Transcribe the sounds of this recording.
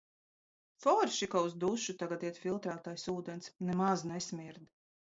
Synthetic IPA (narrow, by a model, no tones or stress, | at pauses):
fɔɾʃikauzd̪uʃut̪aɡat̪iɛt̪filˠt̪ɾaːt̪ajsuːd̪ɛnsnɛmaznɛsʲmʲiɾd̪